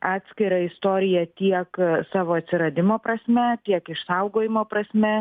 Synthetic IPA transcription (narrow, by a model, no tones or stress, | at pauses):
ʔɑːt̪ʲsʲkʲɪɾɐɪst̪oːɾʲɪjɛt̪ʲiɛksɑːʋoːɐt̪ʲsʲɪɾɐd̪ʲɪmoːpɾɐsʲmʲɛt̪ʲiɛkɪʃsɐʊɡoːjɪmoːpɾɐsʲmʲɛ